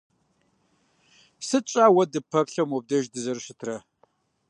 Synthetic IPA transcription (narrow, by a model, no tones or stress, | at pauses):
sɨt͡ʃʼaːwɐdɨpʰɐpɬɐmwɔb̚dɐʒdɨzɐrɕɪtʰrɐ